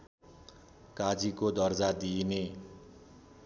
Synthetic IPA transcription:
kad͡zikod̪ʌrd͡zad̪ine

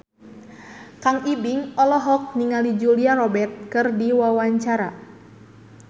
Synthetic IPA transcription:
kaŋibiŋɔlɔɦɔk̚niŋalid͡ʒuliaɾɔbɛrt̪̚kɨrdiwawaɲt͡ʃaɾa

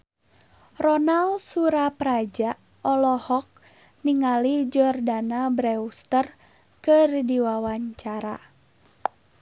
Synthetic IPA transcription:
rɔnalsuɾapɾad͡ʒa | ɔlɔhɔk̚ | niŋalid͡ʒɔrdanabɾɛust̪ər | kɨrdiwawaɲt͡ʃaɾa

